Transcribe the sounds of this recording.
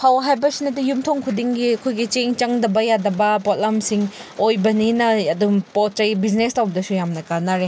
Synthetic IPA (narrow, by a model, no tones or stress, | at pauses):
pʰawɐɦajbɐsinɐdijumtʰoŋkʰudiŋɡiɐkʰojɡit͡ʃeŋt͡ʃɐŋdɐbɐjadɐbɐpot̚lamsiŋojbɐninɐɐdumpot̚t͡ʃɐjbiznestawbɐdɐsujamnɐkanaɾe